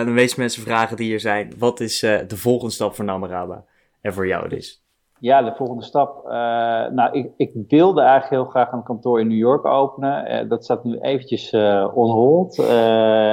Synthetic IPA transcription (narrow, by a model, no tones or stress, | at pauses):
dɑnʋejsmɛnsəvraːχədiɦiːɹzɛjnʋɑtɪsdəvɔlˠχəndəstɑpfʊːɹnaməraːba̰ | ɛnvʊːɹja̰wdɪ̰s | jaːdəvɔlˠχəndəstɑp̚ | nawʔɪɪkʋɪlˠdəɛjχləkɦɪːlˠχraːχanəkɑntʊːɹɪnːuːjʊɹko̰wpənə̰dɑtstaːtnyʔejvəncəsɔnɦolˠt